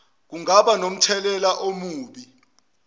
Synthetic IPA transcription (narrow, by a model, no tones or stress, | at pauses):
k̬uŋaɓanom̩tʰɛlɛlaʔomuːɓi